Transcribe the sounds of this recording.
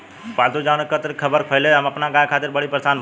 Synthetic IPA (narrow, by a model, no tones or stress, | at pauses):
paːld̪od͡ʒaːnkət̪ɾkʰəbəɾkʰəɪleɦɐmɐpnaɡaːjkʰaːt̪ɪɾbəɽ̤ipɾəsaːn